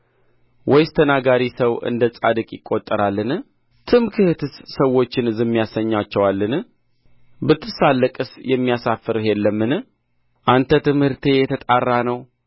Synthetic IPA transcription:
wɔjst̪ʰənaɡaɾisəwʔɨ̰nd̪ət͡sʼa̰d̪ɨkʼjɪkʼːo̞t̪ʼːəɾalːɨn | t̪ʰɨmkʰɨhɨt̪ʰɨssəwːo̞t͡ʃːɪnzɨmːijasəɲːat͡ʃːɛwalːɨn | bɨt̪ʰːɨsalːəkʼɨsjɛmːijasafɨɾɦelːəmːɨnɨ | ʔant̪ʰət̪ɨmhɨɾt̪ʰe̞jɛt̪ʰət̪ʼarːanəw

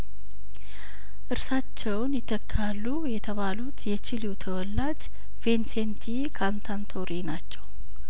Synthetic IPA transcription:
ʔɨɾsat͡ʃːɛwnjɪt̪ʰːəkʰːalːujɛt̪ʰəβalut̪jɛt͡ʃɪluwt̪ʰəwɔlːad͡ʒ | ve̞nsent̪ʰi | kʰant̪ʰant̪ʰo̞ɾinat͡ʃːɛw

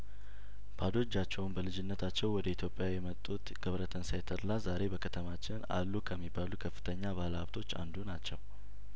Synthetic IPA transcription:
b̥ad̪o̞d͡ʒːat͡ʃːɛwnbəlɨd͡ʒɪnːət̪ʰat͡ʃːɛwwɔd̪əit̪ʰjo̞pʼːjajɛmət̪ʼːut̪ɡ̥əβɾət̪ʰənsajt̪ʰəɾlazaɾe̞bəkʰət̪ʰəmat͡ʃːɪna̰lːukʰəmːibːalukʰəfːɨ̥t̪ʰəɲːaβaləhaβt̪ʰo̞t͡ʃːa̰nd̪unat͡ʃːɛw

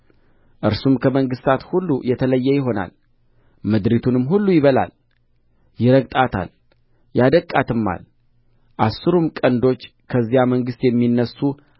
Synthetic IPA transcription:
ʔɨɾsumkʰəməŋɡɨst̪ʰat̪hulːujɛt̪ʰələjːɛjɪɦo̞na̰l | mɨd̪ɾit̪ʰunɨmɦulːujɪβəla̰l | jɪɾəɡt̪ʼat̪ʰa̰l | jad̪əkʼːat̪ʰɨmːa̰l | ʔasːɨɾumkʼənd̪o̞t͡ʃː | kʰəzːijaməŋɡɨst̪jɛmːinːəsːu

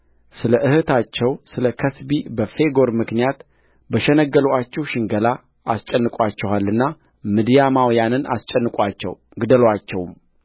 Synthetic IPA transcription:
sɨləʔɨhɨt̪ʰat͡ʃːɛwsɨləkʰəsbibəfe̞ɡo̞ɾmɨknijat̪ | bəʃɛnəɡːəlwat͡ʃːɛwʃɪŋɡəla | a̰st͡ʃʼɛnːɨkʼwat͡ʃːɛwalːɨnːa | mɨd̪ijamawjanɨna̰st͡ʃʼɛnːɨkʼat͡ʃːɛ̰w | ɡɨd̪əlwat͡ʃːɛwm

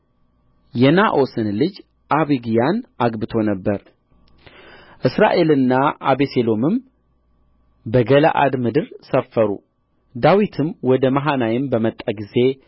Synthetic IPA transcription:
jɛnaʔo̞sɨnlɨd͡ʒ | ʔaβiɡijanʔaɡbɨt̪ʰo̞nəbːəɾ | ʔɨsɾa̰ʔe̞lɨnːaʔa̰βeselo̞mɨm | bəɡəla̰ʔa̰d̪mɨd̪ɨɾsəfːəɾṵ | d̪awit̪ʰɨmwɔd̪əmaɦanajɪmbəmət̪ʼːaɡize̞

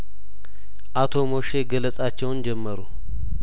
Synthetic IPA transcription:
ʔat̪ʰo̞mo̞ʃe̞ɡələsʼat͡ʃːɛwnd͡ʒɛmːəɾu

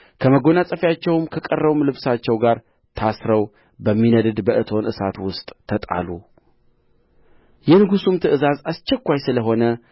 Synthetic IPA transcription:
kʰəməɡo̞nasʼəfjat͡ʃːɛwmkʰəkʼərːəβumlɨβsat͡ʃːɛwɡaɾ | t̪ʰasɾəw | bəmːinəd̪ɨd̪bəʔɨt̪ʰo̞nʔɨsa̰t̪wʊst̪ʼt̪ʰːət̪ʼa̰lu | jɛnɨɡusumt̪ʰɨʔɨzazast͡ʃːɛkʷːajsɨləɦo̞nə

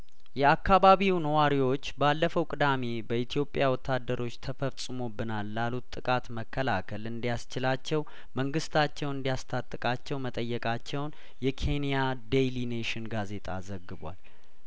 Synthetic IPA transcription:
jɛakːaβaβiwnəwaɾiwo̞t͡ʃːbalːəfəwkʼɨd̪ame̞bəit̪ʰijo̞pʼjawɔt̪ʰːad̪ːəɾo̞t͡ʃːt̪ʰəfəsʼɨmo̞bɨnalːalut̪ʼːɨkʼat̪məkʰːəlakʰəlɨnd̪ijast͡ʃɪlat͡ʃːɛw | məŋɡɨst̪ʰat͡ʃːɛwɨnd̪ijast̪ʰat̪ʼːɨkʼat͡ʃːɛwmət̪ʼəjːɛkʼat͡ʃːɛwn | jɛkʰe̞nijad̪ejlineʃɪnɡaze̞t̪ʼa̰zəɡːɨβwa̰l

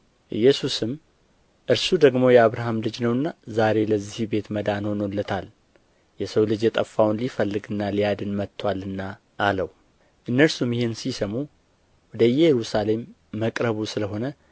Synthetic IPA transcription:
ʔɨjːɛsusɨm | ʔɨɾsud̪əɡmo̞jɛaβɾaɦamlɨd͡ʒnəwɨnːazaɾe̞ləzihibe̞t̪məd̪anhonolːət̪ʰal | jɛsəwlɨd͡ʒjɛt̪ʼəfːawnlifəlːɨɡɨnːalijad̪ɨnmət̪ʰːwalːɨnːa | ʔːləw | ʔɨnːəɾsumjɪhensisəmu | wɔd̪əjɛjɛɾusale̞mː | əkʼɾəβusɨləɦo̞nə

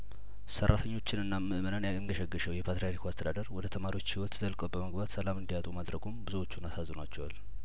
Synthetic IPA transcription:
sərːat̪ʰəɲːo̞t͡ʃːɪnɨnːamːɨʔmənənjaɨŋɡəʃɛɡːəʃəwjɛpʰat̪ɾijat̪ʰikʰast̪ʰəd̪ad̪əɾwɔd̪ət̪ʰəmaɾiwo̞t͡ʃːhiwɔt̪zəlkʼəbəməɡbat̪səlamɨnd̪ijat̪ʼumad̪ɾəɡumbɨzuwot͡ʃːunasazːnat͡ʃːɛwal

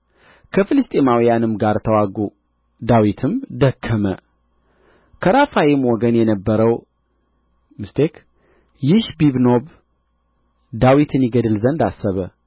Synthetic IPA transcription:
kʰəfɨlɨst̪ʼemawijanɨmɡaɾt̪ʰəwaɡu | d̪awit̪ʰɨmd̪əkʰːəmə | kʰəɾafajemwɔɡənjɛnəbːəɾəw | mɨst̪ʰek | jɪʃbiβno̞β | d̪awit̪ʰɨnjɪɡəd̪ɨlzənd̪asːəβə

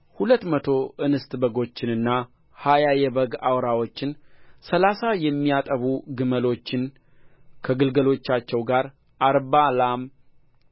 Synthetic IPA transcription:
hulət̪ːmət̪ʰo̞ʔɨnɨst̪ʼbəɡo̞t͡ʃːɪnɨnːa | hajajɛbəɡawɾawo̞t͡ʃːɪnsəlasajɛmːijat̪ʼəβuɡɨməlo̞t͡ʃːɪn | kʰəɡɨlɡəlo̞t͡ʃːat͡ʃːɛwɡaɾ | ʔaɾbalam

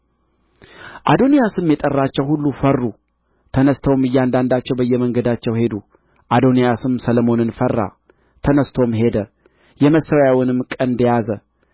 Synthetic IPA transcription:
ʔa̰d̪o̞nijasɨmjɛt̪ʼərːat͡ʃːɛwhulːufərːu | t̪ʰənəst̪ʰəwmɨjːand̪and̪at͡ʃːɛwbəjːɛməŋɡəd̪at͡ʃːɛwhe̞d̪u | ʔad̪onijasɨmsələmo̞nɨnfərːa̰ | t̪ʰənəst̪ʰo̞mɦe̞d̪ə | jɛməsːəɾjawɪnɨmkʼənd̪əjazə

